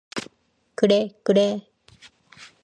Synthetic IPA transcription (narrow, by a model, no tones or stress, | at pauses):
kɯɾekɯɾe